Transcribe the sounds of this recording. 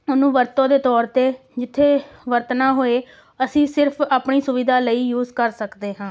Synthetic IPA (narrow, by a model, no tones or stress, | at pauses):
ʊnũːʋəɾt̪õːd̪eːt̪ɔːɾt̪eːd͡ʒɪt̪ʰːeːʋəɾt̪naːɦoːeː | əsĩːsɪɾpʰaːpɳiːsʊʋiːd̪aːləiːjuːzkəɾsəkd̪eːɦãː